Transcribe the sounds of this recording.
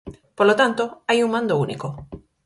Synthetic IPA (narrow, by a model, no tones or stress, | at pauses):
polot̪ant̪oajuŋmãnd̪ounḭko